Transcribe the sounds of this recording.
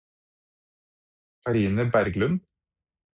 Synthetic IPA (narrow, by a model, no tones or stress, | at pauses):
ɑɾiːnəbæɾɡlʉn